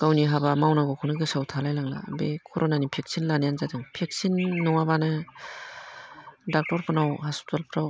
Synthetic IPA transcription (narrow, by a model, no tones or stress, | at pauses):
kawniɦabamawnaɡɔkʰunɯɡɯsawtʰalajlaŋla̰bekʰɔɾʔonanipʰek̚sinlanijanzadɯŋpʰek̚sinːɔŋabanɯ | dak̚tɔɾpʰɯnawɦastalpʰɾaw